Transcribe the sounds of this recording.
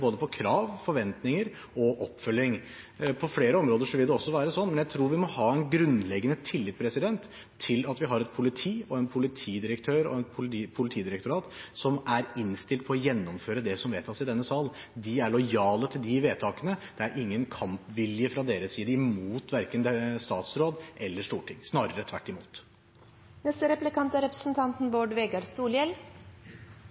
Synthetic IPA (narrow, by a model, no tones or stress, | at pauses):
boːd̪əpʰɔkʰɾɑːʋfɔɾʋɛnt̪nɪŋəɾ | ɔʔɔpːfœlːɪŋ | pʰɔfleːɾəɔmɾoːd̪əʂɔʋɪld̪ɛɔsːɔʋæːɾəsɔnːmɛnjæɪt̪ʰɾuːɾʋɪmɔhɑːɛnɡɾʉnlɛɡːənət̪ʰɪlːɪt̪̚pʰɾɛsɪd̪ɛnt̪ʰː | ɪlɑt̪ʋɪɦɑɾɛt̪̚pʰʊlɪt̪ʰiːɔɛnpʰʊlɪt̪ʰiːd̪ɪɾəkt̪ʰøːɾɔ̰ɛnpʰʊpʰʊlɪt̪ʰiːd̪ɪɾɛkt̪ʊɾɑːt̪sɔmæɾɪnst̪ɪlt̪̚pʰɔɔjɛnːɔmføːɾəd̪ɛsɔmʋeːt̪ʰɑsɪd̪ɛnːəsɑːln | d̪ɪæɭɔjɑːlət̪ʰɪld̪ɪʋeːt̪ʰɑːkənəd̪̥ɛæɾʔɪŋːənkʰɑmpʋɪljəfɾɑd̪eːɾəssiːd̪əɪmuːt̪ʋæɾkənd̪ɛst̪ɑːt̪sɾoːd̪ʔɛlːəʂt̪uːʈʰɪŋːsnɑːɾəɾət̪ʰʋæʈːɪmuːt̪ | nɛst̪əɾɛplɪkʰɑnt̪æɾɛpɾə̥sn̩t̪ʰɑnt̪n̩boːɖʋeːɡɑɾsuːljɛl